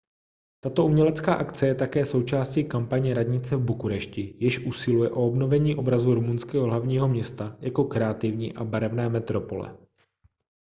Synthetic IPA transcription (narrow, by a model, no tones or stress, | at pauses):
t̪at̪o̞umɲɛlɛt͡skaːʔakt͡sɛjɛt̪akɛːso̞wt͡ʃaːscikampaɲɛɾadɲɪt͡sɛvbukuɾɛʃcɪjɪʃʔusɪlujɛʔo̞obnovɛɲiːʔo̞bɾazuɾumunskɛːɦoɦlavɲiːɦo̞mɲɛst̪ajako̞kɾɛat̪ɪvɲḭːʔa̰baɾɛvnɛːmɛt̪ɾo̞po̞lɛ̰